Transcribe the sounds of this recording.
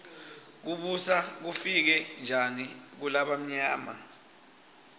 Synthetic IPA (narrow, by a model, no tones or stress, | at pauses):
k̬uɓusak̬ufik̬ɛnd͡ʒʱanik̬ulaɓam̩ɲaːma̰